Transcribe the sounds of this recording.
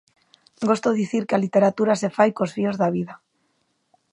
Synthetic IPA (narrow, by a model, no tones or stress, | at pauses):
ɡost̪oðiθiɾkealit̪eɾat̪uɾasefajkosfiozðaβ̞iða